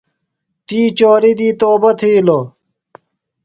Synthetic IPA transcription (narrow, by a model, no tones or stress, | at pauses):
t̪iːt͡ɕoːɾid̪iːt̪oːbɐt̪ʰiːlo